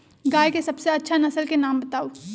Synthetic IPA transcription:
ɡaːjkesɐbseɐtːʃʰanɐsəlkenaːmbɐt̪aːo

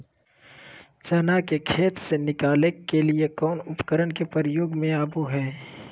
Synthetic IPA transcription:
t͡ʃɐnakekʰeːt̪senɪkaːlekːeliekɔːnʊpkəɾənkepəɾjoːɡmẽaːbuɦɛː

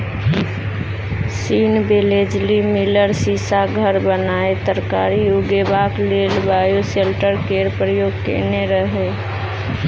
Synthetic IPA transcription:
siːnbeled͡ʒlimiləɾsisaɡʱəɾbənaːet̪əɾkaɾijuɡebaklelbʱaːjuselʈəɾkeɾpɾəjoːɡkḛneɾəɦe

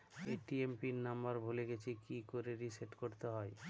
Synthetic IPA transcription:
eʈiempiɾnambaɾbʱuleɡet͡ɕʰikikoɾeɾiseʈkoɾt̪eɦɔe

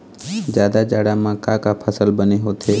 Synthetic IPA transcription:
d͡ʒjaːd̪ad͡ʒaːɽamãkãkapʰəsəlbəneɦoːt̪ʰeː

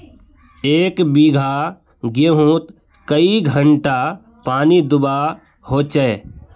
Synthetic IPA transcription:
eːkbiːɡʱa | ɡeɦũːt̪ | kəiɡʱəɳʈa | paːnid̪ʊba | hoːt͡ʃɛ

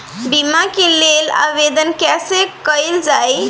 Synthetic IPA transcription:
bimakelːela̰ʋed̪ənkasekəjld͡zaj

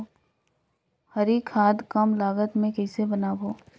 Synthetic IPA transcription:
hɐɾiːkʰaːd̪kɐmlaːɡət̪mẽkɛɪsebɐnaːbʱoː

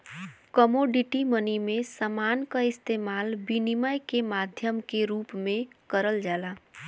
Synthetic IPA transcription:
kəmoɖiʈimənimesəmankəist̪emalbiniməjkemad̪ʱjəmkeɾupmẽkəɾəld͡ʒala

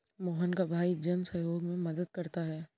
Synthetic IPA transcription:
moːɦənkabʱaːid͡ʒɐnsɐjoːɡmẽmɐd̪əd̪̚kɐɾt̪aɦɛː

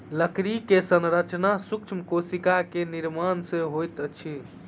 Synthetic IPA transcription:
ləkɾikesənɾət͡ʃnasuk̚t͡ʃʰməkosikakeniɾmansẽɦojt̪ət͡ʃʰi

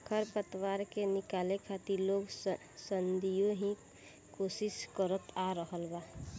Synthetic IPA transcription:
kʰəɾpət̪waːɾkenɪkaːlekʰat̪iɾloːɡ | sənd̪ijõɦĩ | koːsɪʃkəɾət̪aɾəɦəlba

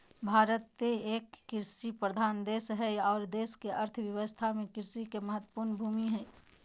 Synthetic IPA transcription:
bʱaːɾət̪ːeeːkːɪɾsipɾəd̪ʱaːnd̪eːsɦɛɔːɾd̪eːskeʔəɾt̪ʰʋjɐʋəst̪ʰamẽkɪɾsikeməɦət̪ːwə̥puːɾnbʱuːmiɦɛː

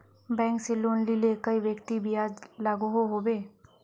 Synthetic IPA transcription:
bɛ̃ːŋkseloːnlilekəiʋjəkt̪ibʱiaːd͡ʒlaːɡuɦoɦoːbeː

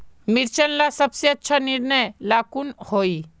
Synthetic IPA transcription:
mɪɾt͡ʃənlasɐbseɐtːʃʰanɪɾnəjlaːkunhoːi

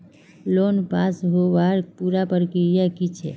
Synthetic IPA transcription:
loːnpaːsɦoʋaɾpuɾapəɾkiɾjakit͡ʃʰḛ

